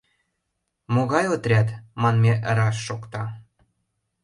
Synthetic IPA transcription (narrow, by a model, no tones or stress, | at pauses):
moɣɑjot̪rʲɑt̪mɑnmʲeʔəɾɑʃːokt̪ɑ